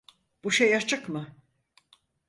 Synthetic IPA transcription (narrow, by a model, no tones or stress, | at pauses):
b̥uʃejat͡ʃʰɯkmɯ